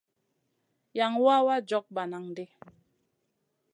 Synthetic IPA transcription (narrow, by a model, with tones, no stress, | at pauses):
ja˨ŋwa˦wa˦d͡ʒɔ˨˦k̚ba˨na˨ŋde˦